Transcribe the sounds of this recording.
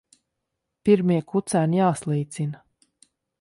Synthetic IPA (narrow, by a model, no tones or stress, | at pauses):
piɾmiɛkut̪sæːnjaːslˠiːt̪sina